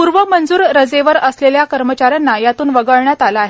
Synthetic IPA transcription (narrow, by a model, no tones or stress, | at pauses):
puɾʋəmənd͡zuːɾɾəd͡zeʋəɾəsleljakəɾmət͡ɕaɾjanːajat̪uːnʋəɡəɭɳjat̪alaːɦe